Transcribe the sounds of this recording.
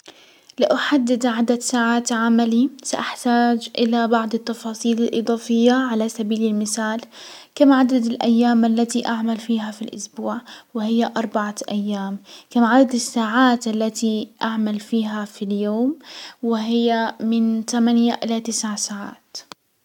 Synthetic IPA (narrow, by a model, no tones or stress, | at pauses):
lɪʔaħad̪ːɪd̪ʕad̪ad̪saːʕaːt̪ʕamalisaʔaħt̪aːd͡ʒʔɪlabɑʕd̪ˤɨt̪ːɑfɑːsˤiːlɪlʔɨ̰d̪ˤɑːfɪjːaʕalasabiːlɪlmɪθaːlkamʕad̪ad̪ɪlʔa̰jːaːmʔalːat̪iʔaʕmalfiːɦafilʔʊ̰sbuːʕwɪhɪjːaʔɑɾˤbaʕaʔajːaːmkamʕad̪ad̪ɪsːaːʕaːt̪ʔalːat̪iʔaʕmalfiːɦafiljoːmwɪɦɪjːamɪnt̪amanjaʔɪlat̪ɪsʕsaːʕa̰ːt̪